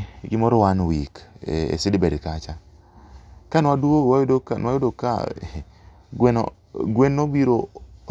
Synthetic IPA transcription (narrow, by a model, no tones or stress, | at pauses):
ɡɪmɔɾɔwanwikḛsɪdbɛdkat͡ʃa | kanwaduowajdokanwajodoka̰ | ɡweno̰ | ɡwenːobiɾo